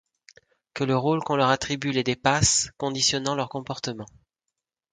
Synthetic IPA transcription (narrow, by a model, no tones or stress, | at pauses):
kələʁolkɔ̃lœʁat̪χibyled̪epaskɔ̃d̪isjɔnɑ̃lœʁkɔ̃pɔʁt̪əmɑ̃